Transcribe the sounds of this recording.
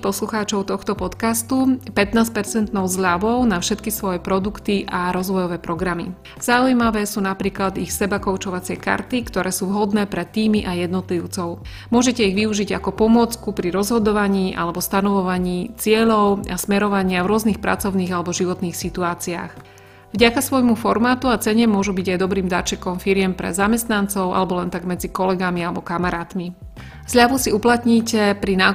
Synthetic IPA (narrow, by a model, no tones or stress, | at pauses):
pɔsluxaːt͡ʃɔʊt̪ɔxt̪ɔpɔt̪kast̪upɛt̪naːscpɛɾt͡sɛnt̪nɔʊzʎaʋɔʊnafʃɛt̪kisʋɔjɛpɾɔd̪ukt̪iʔaɾɔzʋɔjɔʋɛːpɾɔɡɾamḭ | z̥aujmaʋɛːsuːnapɾiːklad̪ixsɛbakɔʊt͡ʃɔʋat͡sɪɛka̰ɾt̪ikt̪ɔɾɛːsuːʋɦɔd̪nɛːpɾɛt̪ːiːmiʔajɛd̪nɔt̪liʊt͡sɔʊ | mʊɔʒɛcɛiɣʋiuʒiɟa̰kɔpɔmʊɔt͡skupɾiɾɔzɦɔd̪ɔʋaɲiːʔa̰lɛbɔst̪anɔʋɔʋaɲiːt͡sɪɛʎɔʊasmɛɾɔʋaɲɪavɾʊɔzniːxpɾa̰t͡sɔʊniːɣalɛbɔʒiʋɔt̪niːxsit̪uaːt͡sia̰x | vɟakasʋɔjmufɔɾmaːt̪uat͡sɛɲɛmʊɔʒubiɟajd̪ɔbɾiːmd̪at͡ʃɛkɔmfiɾɪɛmpɾɛ̰zamɛst̪nant͡sɔʊʔa̰lɛbɔlɛnt̪aɡmɛd͡zikɔlɛɡamialɛbɔkamaɾaːt̪mi | zʎaʋusiuplat̪ɲiːcɛpɾinaː